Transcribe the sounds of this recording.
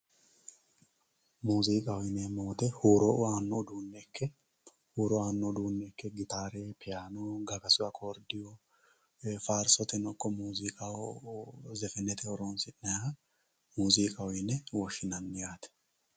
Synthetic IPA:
muːziːkʼɐwɔjɪnɛmoːt̪ɛhuːɾɔʔaːnːɔd̪uːnːɛkʰːɛ | huːɾɔaːnːɔd̪uːnːɛːkːɛɡɪt̪aːɾeːpɛjaːnoɡɐɡɐsʊwɐkʰoɾd̪ɪjɔ | faːɾsɔt̪ɛnɔkːɔmuːzikʼa | zɛfɛnːɛt̪ɛhɔɾoːnsɪnːɛja | muːziːkʼɐwɔjɪnːɛwɔʃːɪnɐnːɪjaːt̪ɛ̥

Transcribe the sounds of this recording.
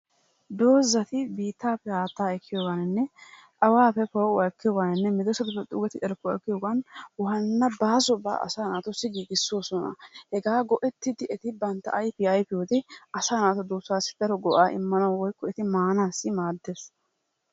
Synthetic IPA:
d̪o̞ːzːɐt̪ɪbiːt̪ːaːpːɛhaːt̪ːaːɛkʰːɪjoːɡanɪnːɛ | ɐwaːpɛpɔwɐkːɪjɔːɡanɪnːɛmɪd̪ɔsɐt̪ʊpːɛt̪ʼṵːɡɛt̪ɪʔɛɾkːʊkːɪjɔːɡɐnwɔhɐnːɐbaːsɔba̰ːʔɐ̰saːnaːt̪ʊsːɪɡiːɡɪsːoːsɔnɐ̰hɛɡaːɡɔʔɛt̪ːɪd̪ɪɛt̪ɪbɐnt̪ːɐ̰ɐjpɪɐjpɪjod̪ɪʔɐsaːnaːt̪ʊd̪oːsːaːsːɪ̥d̪ɐɾɔɡɔʔaːʔɪ̰mːɐnɐwɔjkːɔɛt̪ɪmaːnaːsːɪmaːd̪ːes

